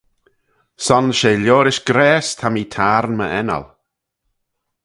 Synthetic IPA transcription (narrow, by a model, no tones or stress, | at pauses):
sɔnʃeːljoːɾɪʃɡ̥ɾɛːst̪ʰamiːt̪ʰaːɾnməʔɛnə̰l